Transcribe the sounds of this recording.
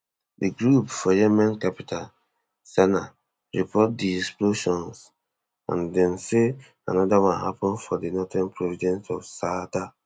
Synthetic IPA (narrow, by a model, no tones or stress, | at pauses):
diɡɹupfɔjemãnkapitʰal | sɛna | ɹipɔt̚diɛksploʃɔ̃ns | ã̰ndɛ̃mse | a̰nɔdawãnha̰pɔ̃nfɔdinɔtɛ̃npʰɹɔvidɛ̃nsɔfsata